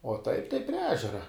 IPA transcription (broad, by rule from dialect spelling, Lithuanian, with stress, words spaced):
oː ˈtɐɪp tɐɪ pʲrʲiɛ ˈæːʒʲɛrɐ